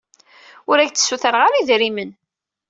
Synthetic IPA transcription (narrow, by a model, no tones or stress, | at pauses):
ʊɾæʝt͡s̪ːə̥sːuθəɾʁaɾiðɾimən